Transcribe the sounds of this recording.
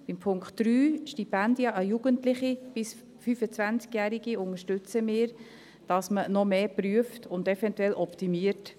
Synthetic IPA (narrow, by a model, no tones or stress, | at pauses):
b̥ɪmpʰʊŋkχtd̥ɾyːʃtipændjɑʔəjuːɡəntlɪχib̥ɪs | fyfət͡sʋænt͡skjæːɾiɡiʊŋəʃtʏt͡səmɪːɾ | d̥ɑsmənɔmeːpɾyəftʰʊndɛfɛntwɛlʔɔptimiəɾt